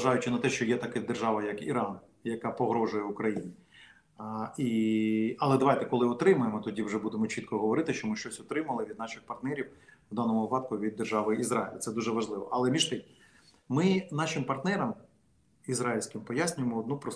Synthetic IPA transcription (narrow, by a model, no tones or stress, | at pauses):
ɐʒɑjʊt͡ʃɪnɐt̪ɛʃt͡ʃɔjɛt̪ɐkɛd̪erʒɑʋɐjɐkiɾɑn | jɐkɑpɔɦɾɔʒʊjɛʊkɾɐjinʲi | i | ɐlˠɛd̪ɐʋajt̪ɛkɔlˠɪɔt̪ɾɪmʊjemɔt̪ɔdʲiwʒɛbud̪emɔt͡ʃit̪kɔɦɔʋɔɾɪt̪ɪʃt͡ʃɔmɪʃt͡ʃɔsʲɔt̪ɾɪmɐlˠɪʋʲid̪̚nɑʃɪxpɐrt̪nɛɾʲiwʋd̪ɑnɔmʊʋɪpɑt̪̚kʊʋʲid̪ːerʒɑʋɪizɾaɪlʲɐ̰t̪sɛd̪uʒɛʋɐʒlˠɪʋɔ̰ʔɐlˠɛmʲiʃt̪ɪx | mɪnɑʃɪmpɐrt̪nɛɾɐm | izɾaɪlʲsʲkɪmpɔjasʲnʲʊjemɔːd̪̚nupɾɔ